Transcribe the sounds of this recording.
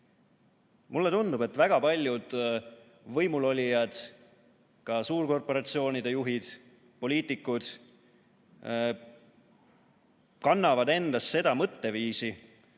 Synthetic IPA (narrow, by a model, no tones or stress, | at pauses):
mulːe̞t̪und̪ube̞t̪ːˑvæɡ̥ɑpɑlʲjud̪̥ | vɤjmulo̞lʲijɑd̪̥ | kɑsuːrko̞rpo̞ɾɑt̪sio̞ːnid̪e̞juɦid̪̥ | po̞lʲiːt̪ːˑikːˑud̪̥ | kɑnːɑvɑd̪e̞nd̪ɑsːe̞d̪̥ɑmɤt̪ːe̞viːsi